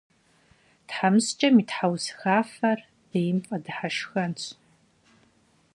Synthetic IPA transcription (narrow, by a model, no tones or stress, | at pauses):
d̥ħamst͡ʃʼamitħawzxafar | d̥ejmpʼadħaʂxɐnt͡ɕʷʰ